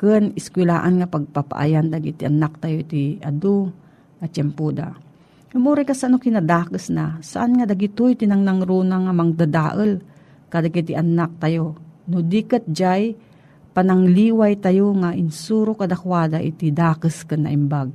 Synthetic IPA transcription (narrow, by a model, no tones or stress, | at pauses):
kɨnɪskwɪlaːʔanŋapaɡ̚papa̰ʔa̰jand̪aɡit̪iʔanak̚t̪ajoit̪iad̪o | ŋat͡ʃɛmpud̪a̰ | ʊmʔuːɾajkasʔanokinad̪aːkəsnasaʔanŋad̪aɡit̪ʊjt̪ɪnaŋnaŋɾuːnaŋamaŋd̪ad̪aːʔəl | kad̪aɡit̪iʔanak̚t̪ajonʊd̪ikət̪̚d͡ʒaj | panaŋliːwajt̪ajoŋaʔɪnsuːɾokad̪akwaːd̪aʔḭt̪id̪aːkəskɨnːa̰ʔɪmbaɡ̚